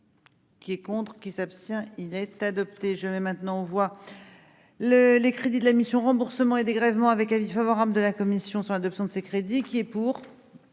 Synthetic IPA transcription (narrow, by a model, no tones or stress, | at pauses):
kʲiɛkɔ̃t̪χkʲisapst̪jɛ̃ilɛt̪ad̪ɔp̚t̪eʒəmɛmɛ̃t̪nɑ̃ɔ̃vwa | ləlekχed̪id̪əlamisjɔ̃ʁɑ̃buʁsəmɑ̃ed̪eɡʁɛvmɑ̃avɛkavifavɔʁabləd̪əlakɔmisjɔ̃sɑlad̪ɔpsjɔ̃d̪əsekχed̪ikʲiɛpuːʁ